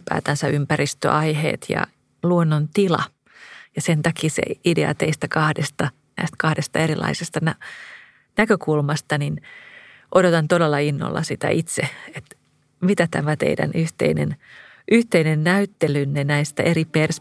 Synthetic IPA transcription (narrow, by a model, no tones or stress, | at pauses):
pæ̰ːt̪ænsæympærist̪ø̰ʔɑihḛːt̪jɑ̰ | luonːont̪ilɑ̰ | jɑsent̪ɑkiːsḛidḛɑ̰t̪eist̪ækɑhdest̪ɑ | næ̰ist̪kɑhdest̪ɑeɾilɑ̰isest̪ɑnæ | nækøkulmɑst̪ɑnin | ʔodot̪ɑnt̪odelːɑinːo̰lːɑ̰sit̪æ̰ʔit̪seet̪ | mit̪æt̪æmæt̪ḛidæ̰nyht̪ḛinḛn | ʔyht̪einenːæyt̪ːelynːenæist̪æʔeripers